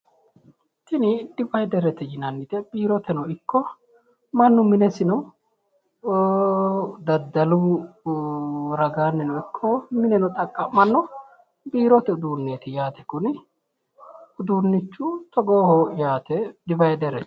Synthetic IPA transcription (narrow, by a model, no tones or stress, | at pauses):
t̪ɪnɪd̪ɪfɐjd̪ɛɾɛt̪ɛjɪnɐnːɪt̪ɛbiːɾɔt̪ɛnɔɪkːɔ | mɐnːʊmɪnɛsɪnɔ | d̪ɐd̪ːɐlu | ɾɐɡaːnːɛnɔɪkʰːɔmɪnɛnɔt̪ʼɐkʼːɐmɐnːɔ | biːɾɔt̪ɛʊd̪uːnːeːt̪ɪjaːt̪ɛ̥kʊnɪ | ʊd̪uːnːɪt͡ʃːʊt̪ɔɡoːhoːjaːt̪ɛd̪ɪbɐjd̪ɛɾɛt̪